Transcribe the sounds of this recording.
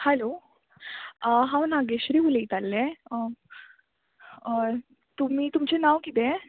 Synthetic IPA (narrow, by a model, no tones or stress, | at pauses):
hɛlo | ɦãwnaɡeɕɾiːuleit̪alːe | t̪um̤iːt̪umt͡senaʋkit̪e